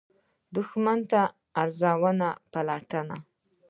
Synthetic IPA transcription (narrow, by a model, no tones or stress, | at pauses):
d̪ʊxmant̪aː | ɾzawənapalaʈəna